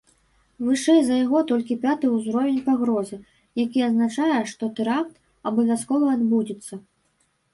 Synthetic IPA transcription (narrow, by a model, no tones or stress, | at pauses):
vɨʂɛjzɐjaɣɔt̪ɔlʲkʲipʲat̪ɨuzɾɔvʲɛnʲpaɣɾɔzɨ | jakʲiɐznat͡ʂajɛʂt̪ɔt̪ɛɾak̚t̪ | ɐbɔvʲaskɔvɐːd̪bud͡zʲɛt̪sːɐ